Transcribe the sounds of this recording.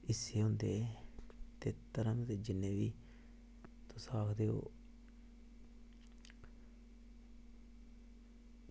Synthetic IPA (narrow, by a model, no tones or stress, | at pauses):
ɪsːeːɦʊnd̪eː | t̪eːt̪əɾəmt̪eːd͡ʒɪnːẽːʋiː | t̪ʊsaːkʰd̪eːo̰ː